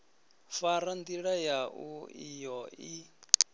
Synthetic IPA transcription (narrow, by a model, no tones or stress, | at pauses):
faɾand̪iɺajaʔuijɔi